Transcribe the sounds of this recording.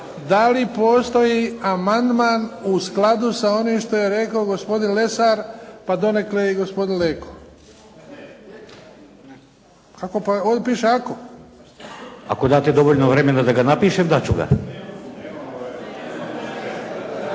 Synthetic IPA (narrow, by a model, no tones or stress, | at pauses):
d̪alipo̞ːst̪o̞jiamand̪manusklad̪usao̞nimʃt̪o̞jeɾe̞kaoɡo̞spo̞d̪inle̞saɾpad̪o̞nekleɡo̞spo̞d̪inleːko | kakopaod̪epiːʃeako | a̰kod̪aːt̪ed̪o̞ʋoʎnoʋɾemenad̪aɡanapiːʃemd̪at͡ɕuɡa̰